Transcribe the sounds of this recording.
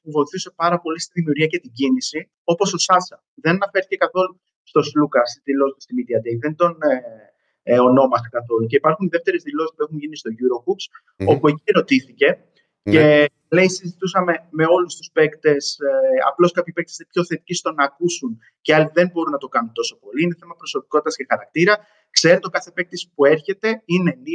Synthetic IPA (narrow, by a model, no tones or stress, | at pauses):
puvo̞iθuse̞pɐɾɐpo̞list̪iðimiuɾʝiɐcet̪iɟinisi | o̞po̞so̞sɐsɐ | ðenɐnɐfeɾθi̥cekɐθo̞lu | st̪o̞slukɐsit̪ilo̞zt̪ust̪imid̪iɐd̪eiðend̪o̞ne | o̞no̞mɐst̪e̞kɐθo̞luce̞ipɐɾxuniðe̞ft̪e̞ɾezðilo̞si̥spue̞xunʝinist̪o̞ʝuɾo̞kuks | o̞pue̞cieɾo̞t̪iθice̞ | ce | le̞isizit̪usɐme̞me̞o̞lust̪u̥spe̞kt̪e̞sɐ̰plo̞skɐpçipek̚t̪e̥sinepço̞θe̞t̪i̥cist̪o̞nɐːkusun | ce̞ɐliðe̞mbo̞ɾunɐt̪o̞kɐnunt̪o̞so̞po̞liine̞θe̞mɐpɾo̞so̞pi̥ko̞t̪i̥t̪ɐsce̞xɐɾɐk̚t̪iɾɐ | kse̞ɾet̪o̞kɐθe̞pe̞k̚t̪espue̞ɾçe̞t̪e̞ine̞ni